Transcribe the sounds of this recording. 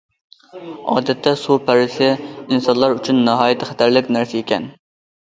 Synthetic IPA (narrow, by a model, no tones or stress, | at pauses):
ɑ̰ːd̪ɛt̪ʰːɛsupʰæɾɪsɪinsɑnlˠɑɾyt͡ʃʰynːɪɦɑːjɪt̪ʰɪχæ̥t̪ʰæɾlɪkʲnæɾsɪekʲʰɛn